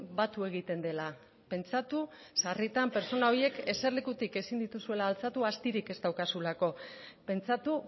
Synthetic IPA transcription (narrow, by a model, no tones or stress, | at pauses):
bat̪ue̞ɣ̞it̪e̞nd̪e̞la | pe̞nt͡sat̪u | sarit̪ampe̞ɾt͡so̞nao̞ɾje̞ke̞se̞ɾlekut̪ike̞sind̪it̪usue̞laːlt͡sat̪uast̪iɾike̞st̪awkasulako̞pe̞nt͡sat̪u